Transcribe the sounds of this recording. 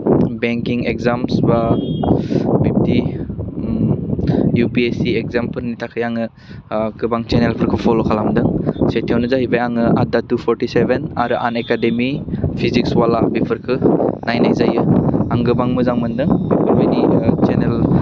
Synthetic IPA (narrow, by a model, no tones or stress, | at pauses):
beŋkiŋekzamsba | bip̚ti | jupiesiekzampʰɯlnitʰakʰɯjaŋɯ | ɡɯbaŋt͡ʃenelpʰɯɾkʰɯpʰɔlokʰalamdɯŋsetʰiawnɯzaɦibajaŋɯʔa̰datupʰɔɾtisebena̰ɾɯʔa̰nekademipʰizikswalabipʰɯɾkʰɯnajnajzajɯaŋɡɯbaŋmɯzaŋmɯndɯŋbipʰɯɾbanit͡ʃenel